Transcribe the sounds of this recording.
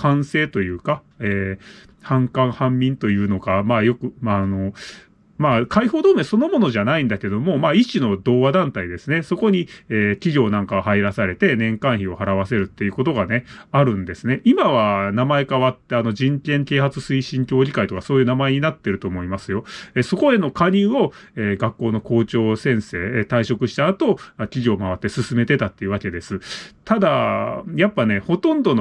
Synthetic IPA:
kãɰ̃se̞ːt̪o̞jɯ̟ːka | eː | hãŋkãɰhãmːʲĩnt̪o̞jɯ̟ːno̞ɡamaːjo̞kɯ̟ano̞ | makaiho̞ːd̪o̞ːmeso̞no̞mo̞no̞ʑanaĩnd̪akeeo̞mo̞maːiɕino̞d̪o̞ːβad̪ãnt̪aid̪e̞sɨne̞so̞ko̞ɲ̟ieːkʲiɡʲo̞ːnãŋkaɡahaiɾasaɾe̞t̪e̞nẽ̞ŋkãɰ̃çio̞haɾaβ̞ase̞ɾɯ̟t̪ːe̞jɯ̟ko̞t̪o̞ɡane̞aɾɯ̟̃nd̪e̞sɨne̞ʔimaβ̞anamae̞kaβat̪ːe̞ano̞ʑĩŋkʲẽ̞ŋk̪e̞ːhat͡sɨsɨiɕĩŋkʲo̞ːʑikait̪o̞kaso̞ːjɯnamae̞ɲ̟inat̪ːe̞ɾɯ̟t̪o̞ːmo̞imasɨjo̞eso̞ko̞e̞no̞kaɲ̟ɨːo̞eːɡakːo̞ːno̞ko̞ːt͡ɕo̞ːsẽ̞ɰ̃se̞ːt̪aiɕo̞kɯ̟ɕi̥t̪aːt̪o̞akʲiʑo̞ːmaβat̪ːesɨsɨme̞t̪e̞t̪at̪ːe̞jɯβake̞d̪e̞sɨt̪ad̪ajapːane̞ho̞t̪õ̞nd̪o̞no

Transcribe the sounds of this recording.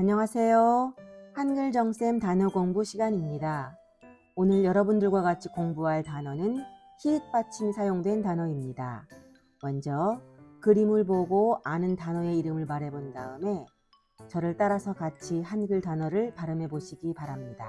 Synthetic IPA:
aɲʌŋasʰe̞johanɡɯɭd͡ʑʌŋs͈e̞mtanʌɡoŋbuɕʰiɡaɲimɲida | onɯɭjʌɾʌbundɯɭɡwaɡat͡ɕʰi̥koŋbuɦaɭtanʌnɯn | çiɯk̚p͈at͡ɕʰimsʰajoŋdwe̞ntanʌimɲida̰ | mʌnd͡ʑʌkɯɾimɯɭboɡoanɯntanʌe̞iɾɯmɯɭmaɾe̞bondaɯme̞ | t͡ɕʌɾɯɭt͈aɾasʰʌkat͡ɕʰihanɡɯɭtanʌɾɯɭpaɾɯmɦe̞boɕʰiɡipaɾamɲida̰

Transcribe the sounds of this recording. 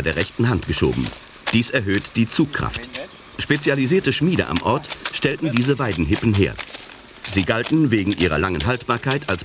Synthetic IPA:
deːɐʁɛçtn̩ɦantɡ̥əʃo̰ːbm̩ | d̥iːsɛɐɦøːtd̥iːt͡suːkʰʁ̥a̰ft | ʃpet͡sjaliziːɐtəʃmiːdə̰ʔa̰mʔɔɐtʃtɛltn̩diːzəvaɪdn̩ɦɪpn̩ɦḛːɐ | ziːɡaltn̩veːɡŋ̩ʔiːʁɐ̰laŋənɦaltb̥aːɐkʰaɪtʰals

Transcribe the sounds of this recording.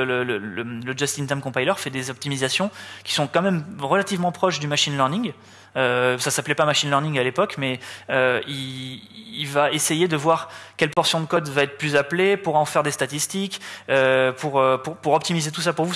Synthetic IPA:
lələlələd͡ʒast̪int̪ɛmkɔ̃pajlœʁfɛd̪ezɔp̚t̪imizasjɔ̃kʲi̥sɔ̃kɑ̃mɛmʁəlat̪ivmɑ̃pχɔʃd̪ymaʃinlœʁnĩŋɡ | øsasaplɛpamaʃinlœʁnĩŋɡalepɔkmɛøiː | lvaesejed̪əvwaʁkʲɛlpɔʁsjɔ̃d̪əkɔd̪vaɛt̪χəplyzaplepuʁɑ̃fɛʁd̪est̪at̪ist̪ikøpuʁøpuʁpuʁɔpt̪imizet̪us̬apuʁvu

